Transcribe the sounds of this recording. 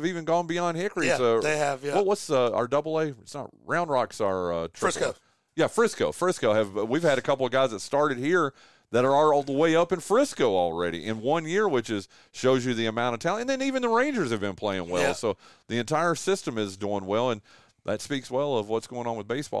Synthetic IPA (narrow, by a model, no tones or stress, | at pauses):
vivɨ̃nɡɔ̃nbiɑ̃ndhɪkɹievjwʌwʌtsʌa̰ə˞dʌbl̩ˠeɪɪtsnə̰t̚ɹãʊ̃ndɹɑksə˞ʌtʰɹ̥ɹɪsoʊ | jæfɹɪskoʊfɹɪskoʊɨvʌwiv̥ɨɾɨkʰʌpl̩ˠʌvɡaɪzðɨtstɑɹɾɨd̚hiɹ | ðɨɾə˞ə˞ɔlˠðəweɪʌpɨ̃nfɹɪskoʊɔl̩ˠɹɛɾḭʔɨ̃nwʌ̃njɪɹwɨt͡ʃɨz̥ | ʃoʊzjɨðiɨmãʊ̃ɾ̃ʌv̥tʰæ̃lˠɨ̃nðɨ̃nivɨ̃nðəɹẽɪ̃nd͡ʒə˞z̥ɨvbɨ̃npʰl̥eɪɪ̰̃ŋwɛ̰lˠsoʊðiɨ̃ntʰaɪə˞sɪstɨ̃mɪzduɪ̃ŋwɛlˠə̃n | ðɨtspikswɛlˠʌvwʌtsɡ̥oʊɪ̃ŋə̃nwəðbeɪsb̥ɔ̰